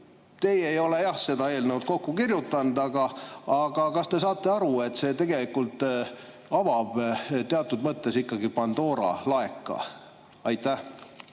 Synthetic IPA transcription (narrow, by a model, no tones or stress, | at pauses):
t̪e̞jejo̞le̞jɑhse̞d̪ɑe̞ːlnewt̪̚ko̞kːukirjut̪ːˑɑnd̪̥ɑɡ̥ɑːɡ̥ɑkɑst̪e̞sɑːt̪ːˑe̞ɑɾue̞t̪ːse̞ːt̪e̞ɡ̥e̞likːˑult̪ˑ | ɑvɑb̥t̪eɑt̪ːˑud̪mɤt̪ˑːe̞sikːɑɡipɑnd̪̥o̞ːɾɑ̰lɑe̞kːˑɑ̰ | ɑjt̪ːˑæh